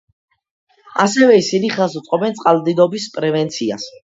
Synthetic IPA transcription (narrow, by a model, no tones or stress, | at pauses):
asɛvɛisiniχɛs̬ut̪sʼqʼɔbɛnt̪sʼqʼald̪id̪ɔbispʼɾɛvɛnt̪sʰia̰s